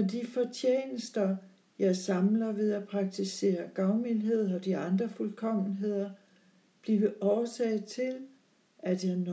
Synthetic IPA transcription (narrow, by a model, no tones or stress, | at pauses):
ɒd̥ifɒt͡sʰjḛːnəsd̥ɐ | jɑ̈ɪsɑ̈mlɐʋe̝ðˠæpʰʁɑ̈ɡ̥̚t͡sʰise̝̰ːɐɡ̥ɑ̈ʊmilɦe̝ð̰ˠɒ̽d̥iɑ̈nd̥ʁɐfulkʰɒ̽m̰n̩ɦe̝ð̞̰ˠɐ | b̥liʋəʔɒːsɛːɪt͡sʰe̝l | æd̥jɑn